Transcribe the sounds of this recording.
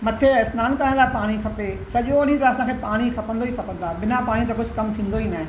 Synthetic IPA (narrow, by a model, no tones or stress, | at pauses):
mɐt̪ʰeɪsnaːnkɐɾə̃laːɪpaːɽ̃ikʰɐpesɐʄoɐnĩt̪ɐɐsãkʰeːpaːɽ̃ixʰɐpə̃nd̪oixʰɐpə̃nd̪aːɓɪnapaːɽ̃it̪ɐkʊd͡ʑʱʊkɐmt̪ʰĩːnd̪oinaːɪ̃